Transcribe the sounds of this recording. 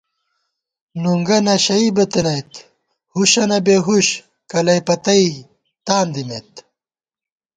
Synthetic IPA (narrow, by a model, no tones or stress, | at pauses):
nuŋɡɐnɐɕɐibɐt̪enɐjt̪ | huɕɐnɐbeɦuɕ | kɐlɐjpɐt̪ɐi | t̪aːnd̪imḛt̪